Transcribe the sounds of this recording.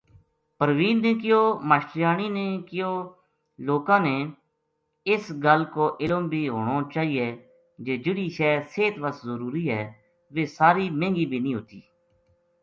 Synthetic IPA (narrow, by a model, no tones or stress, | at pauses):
pəɾʋiːlnẽːkɪjoːmaːʃʈjaːniːneːkɪjoː | loːkãːneː | ɪsɡəlkoːʔɪlombiːɦoːɳ̃oːt͡ʃaːɦiːeː | d͡ʒeːd͡ʒɪɽiːʃɛːseːt̪ʋəszəɾuːɾiːɦɛː | ʋeːsaːɾiːmẽːŋɡiːbʱiːnĩːɦoːt̪iː